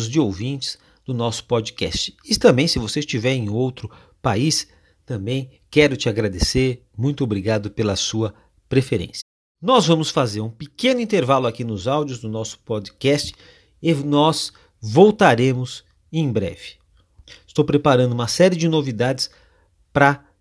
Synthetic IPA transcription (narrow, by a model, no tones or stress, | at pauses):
zd͡ʒɪowvĩnt͡ʃɪ̥z̥ | d̪̥ʊnɔsʊ̥pɔd͡ʒikɛ̰st͡ʃɪ̥ɪt̪ɐ̃mbẽj̃sɪvoseɪst͡ʃivɛɾẽũowt̪ɾʊ | pais | t̪ɐ̃mbẽj̃kɛɾʊt͡ʃɪaɡɾad̪eseɾ | mũj̃t̪ʊobɾiɡad̪ʊpelɐsuɐ | pɾefeɾḛ̃sjɐ | nɔzvɐ̃mʊsfazeɾũpɪkẽnʊĩnt̪eɾvalʊakinʊzawd͡ʒʊzd̪ʊnɔsʊ̥pod͡ʒikɛst͡ʃɪ̥ | ɪnɔz | vowt̪aɾẽmʊz | ẽj̃bɾɛ̰vɪ̥ | ɪst̪owpɾepaɾɐ̃d̪ʊuũmɐsɛɾɪd͡ʒɪnovid̪ad͡ʒɪs | pɾɐ